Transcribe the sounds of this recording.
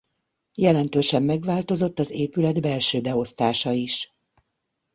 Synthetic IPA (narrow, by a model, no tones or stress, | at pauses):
jɛlɛnt̪øːʃɛmːɛɡʋaːlt̪o̞zo̞t̪ːɒzeːpylɛd̪bɛlʃøːbɛo̞st̪aːʃɒiʃ